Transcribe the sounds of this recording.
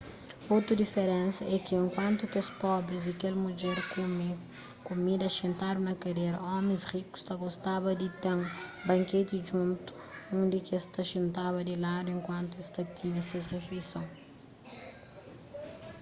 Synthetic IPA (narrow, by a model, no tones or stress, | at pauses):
ot̪ɾɐd̪ifeɾɛ̃nsɐʔɛkiẽŋkwɐ̃nt̪ut̪ẽspɔbɾizd̪ikelmud͡ʒɛɾ | kumid̪ɐʃẽnt̪aɾunɐkɐdeɾɐɔmẽsriku̥st̪ɐɡost̪abɐd̪it̪eŋbɐ̃ŋket̪iʒũnt̪u̥nũnd̪ikest̪ɐʃẽnt̪aβɐd̪ilad̪uẽŋkwɐ̃nt̪uest̪ɐt̪iɲɐsesʁefejsõw